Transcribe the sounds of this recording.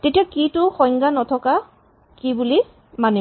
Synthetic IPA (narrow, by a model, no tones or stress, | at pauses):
tetiakitʊxɔjŋɡanɔtʰɔka | kibuli | mani